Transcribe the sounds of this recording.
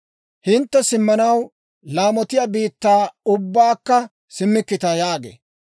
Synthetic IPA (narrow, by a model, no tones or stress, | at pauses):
hɪnt̪ːɛsɪmːɐnɐw | laːmɔt̪ɪjaːbiːt̪ːaːʊbːaːkːɐ | sɪmːɪkːɪt̪ɐjaːɡḛː